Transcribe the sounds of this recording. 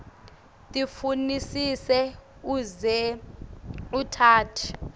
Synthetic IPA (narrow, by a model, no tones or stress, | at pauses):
tʼifunisisɛuzɛ | utʰaːtʰi̥